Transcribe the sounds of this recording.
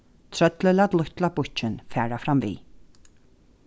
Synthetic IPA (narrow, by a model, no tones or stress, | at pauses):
t̪ʰɾœt̪lɪlat̪lʊht̪labʊt͡ʃɪnfæːɹafɾamvḭː